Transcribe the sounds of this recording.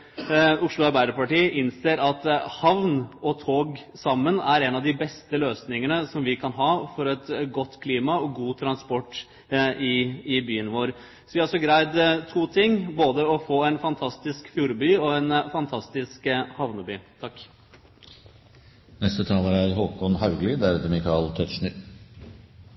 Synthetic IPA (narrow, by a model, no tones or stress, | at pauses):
ʊʂlʊɑɾbæɪɾəpɑʈiːʔɪnseːɾɑt̪hɑʋnɔt̪ʰoːɡsɑmːənæɾɛnɑʋd̪ɪbɛst̪əløːsnɪŋənəsɔmʋɪkʰɑnɦɑːfɔɾɛt̪ɡɔt̪ːkʰliːmɑɔɡuːt̪ʰɾɑnspɔʈː | ɪɪbyːənʋoːɾ | sɔʋɪɑɾʂɔɡɾæɪd̪t̪ʰuːt̪ʰɪŋːboːd̪əɔfoːɛnfɑnt̪ʰɑst̪ɪskfjuːɾbyːɔɛnfɑnt̪ʰɑst̪ɪskhɑʋnəbyːt̪ʰɑkː | nɛst̪ət̪ʰɑːləɾæɾɦoːkʰɔnhɑʉɡlɪd̪æɾɛt̪əmɪkʰɑːlt̪ʰœt̪ʂɳɪɾ